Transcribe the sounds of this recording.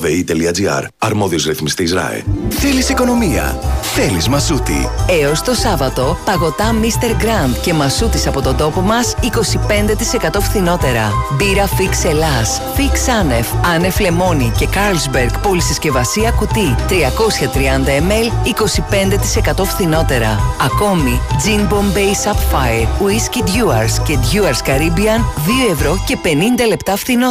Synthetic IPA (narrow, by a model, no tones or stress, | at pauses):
veit̪eliɐd͡ziɐ̰ɾɐɾmoðiozɾiθmist̪iizɾɐ̰ḭlθelisiko̞no̞miɐ̰θe̞lizmɐzut̪ḭe̞o̞st̪o̞sɐvɐt̪o̞pɐɣo̞t̪ɐmist̪e̞ɾɡɾɐnd̪̥ce̞mɐzut̪isɐpo̞t̪o̞nd̪o̞po̞mɐsiko̞sipe̞nd̪e̞t̪i̥se̞kɐt̪o̞fθino̞t̪e̞ɾɐbiɾɐfikse̞lɐs | fiksɐne̞fɐne̞fle̞mo̞nice̞kɐɾlzbeɾɡpo̞lisesce̞vɐsiɐkut̪it̪ɾiɐko̞sçɐt̪ɾiɐnd̪ɐeme̞liko̞sipe̞nd̪e̞t̪i̥se̞kɐt̪o̞fθino̞t̪e̞ɾɐ̰ɐko̞mid͡zimbo̞mbe̞jsɐpfɐjeɾuiscid̪ʝuɐ̰ɾsce̞d̪ʝuɐɾskɐɾibiɐnðio̞e̞vɾo̞ce̞pe̞nind̪ɐle̞pt̪ɐfθino